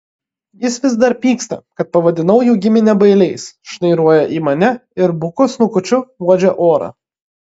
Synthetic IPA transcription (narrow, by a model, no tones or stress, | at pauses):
jɪsʋʲɪzd̪ɐɾpʲiːkst̪ɐ̰kɐt̪̚pɐʋɐd̪ʲɪnɐʊjuːɡʲɪmʲɪnʲɛbɐɪlʲɛɪsʃnɐɪɾuɔjɛʔiːmɐnʲɛɪɾbʊkʊsnʊkʊt͡ʃʲʊʋuɔd͡ʒʲɛʔoːɾɑ̰ː